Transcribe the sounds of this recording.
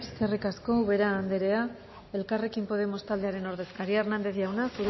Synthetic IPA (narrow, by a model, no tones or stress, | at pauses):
eskerikasko̞βe̞ɾaːnd̪eɾe̞a | e̞lkare̞kimpo̞ð̞e̞mo̞st̪ald̪e̞aɾe̞no̞ɾðe̞skaɾiernand̪e̞θjawnasu